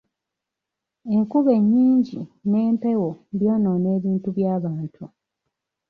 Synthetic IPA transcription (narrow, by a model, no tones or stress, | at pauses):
e̞ŋkuβe̞ɲːiːɲɟḭne̞ːmpe̞wobjo̞ːnone̞ːβiːntuβjaːβaːntʰu